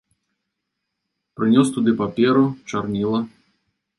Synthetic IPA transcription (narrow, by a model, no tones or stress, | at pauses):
pɾɨnʲɔst̪ud̪ɨpapʲɛɾut͡ʂarnʲilˠɐ